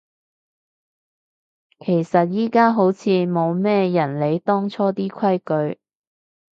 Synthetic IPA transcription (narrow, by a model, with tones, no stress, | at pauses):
kʰe˨˩jsɐ˨t̚jiː˥kaː˥ɦo˨˥wt͡sʰiː˨˧mo˨˧wmɛː˥jɐ˨˩nle˨˧jt̪ɔː˥ŋt͡sʰɔː˥t̪iː˥kʷʰɐ˥jkɵ˨˧ɥ